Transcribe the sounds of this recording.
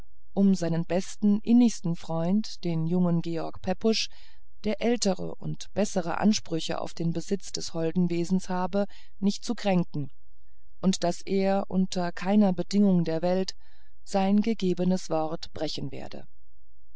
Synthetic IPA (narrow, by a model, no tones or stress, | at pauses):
ʔʊmzaɪnənbɛstn̩ʔɪnɪçstn̩fʁ̥ɔʏntd̥eːnjʊŋənɡeːɔɐkpʰɛpʊʃ | d̥eːɐʔɛltəʁə̰ʔʊ̰ntb̥ɛsəʁə̰ʔa̰nʃpʁ̥ʏçə̰ʔa̰ʊfd̥eːnbəzɪt͡sd̥ɛshɔldn̩veːzn̩shaːbə | nɪçt̚t͡sukʁ̥ɛŋkŋ̩ | ʔʊntd̥asʔeːɐʔʊ̰ntʰɐkʰaɪnɐbədɪŋʊŋdeːɐvɛlt | z̥aɪnɡəɡeːbənəsv̥ɔʁtb̥ʁɛçn̩vḛːɐdə̰